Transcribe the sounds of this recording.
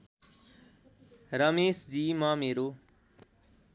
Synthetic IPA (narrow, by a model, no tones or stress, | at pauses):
ɾəmeːsd͡ʑiːmãːmeːɾoː